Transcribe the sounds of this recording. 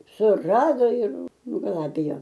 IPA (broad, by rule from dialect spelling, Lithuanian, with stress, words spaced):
sʊˈrɑːdoː ɪr nʊɡɐˈlˠɑːbʲɪjoː